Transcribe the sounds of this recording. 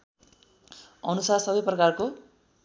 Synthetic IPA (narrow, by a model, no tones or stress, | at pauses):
ʌnusasʌbʌjprʌkarko